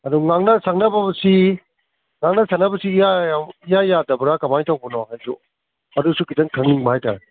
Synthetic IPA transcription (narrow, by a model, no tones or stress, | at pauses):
ɐduŋaŋnɐsak̚nɐbɐbɐsi | ŋaŋnɐsak̚nɐbɐsiːjaijajadɐbuɾakɐmajtawbɐnɔɦajsṵ | ɐdusukidɐŋkʰɐŋniŋbahajtaɾe